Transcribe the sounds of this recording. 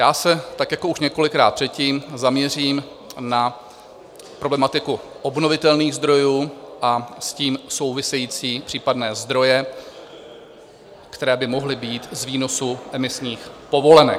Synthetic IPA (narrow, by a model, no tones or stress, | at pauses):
jaːsɛt̪akjako̞uʃɲɛko̞lɪkɾa̰ːt̪̚pr̥ɛt̪̚ciːmzamɲɛriːm | na | pɾoblɛmat̪ɪkuʔo̞bno̞vɪt̪ɛlniːɣzd̪ɾo̞juːʔasciːmso̞wvɪsɛjiːt͡siːpr̥iːpadnɛːzd̪ɾo̞jɛ | kt̪ɛɾɛːbɪmo̞ɦlɪbiːt̪zviːnosuʔɛmɪsɲiːxpo̞vo̞lɛnɛ̰